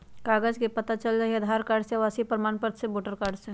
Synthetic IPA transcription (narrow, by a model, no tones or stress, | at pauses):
kaːɡəd͡ʒkepɐt̪at͡ʃəlɾɐɦiɐd̪ʱaːɾkaːɾɖseʋaːsipɾɐmaːnpəɾd̪sẽboːʈəɾkaːɾɖsẽ